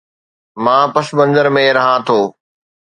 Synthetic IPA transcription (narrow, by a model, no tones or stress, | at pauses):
mãːpɐsbə̃nd̪əɾmẽɾɐɦãt̪ʰoː